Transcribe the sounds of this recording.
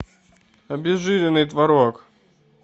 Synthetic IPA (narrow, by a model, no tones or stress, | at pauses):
ɐbʲɪzʐɨɾʲɪnɨjt̪vɐɾok